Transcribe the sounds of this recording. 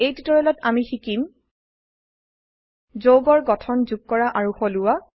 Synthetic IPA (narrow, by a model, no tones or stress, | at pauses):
ejtitɔɹɛlɔtamixikim | zoɡɔɹɡɔtʰɔnzuɡ̚kɔɹaʔaɹuxolʊwa